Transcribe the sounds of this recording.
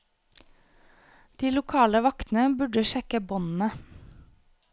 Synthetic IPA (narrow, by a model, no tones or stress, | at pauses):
d̪̥iːlʊkʰɑːləʋɑkt̪n̩əbʉɖəʃɛkəbɔnn̩ə